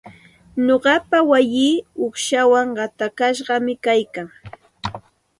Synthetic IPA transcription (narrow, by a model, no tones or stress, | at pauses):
ɲoɢɑpawajiːʊχʃawaŋɢɑt̪akaʃɢɑmɪkajkaŋ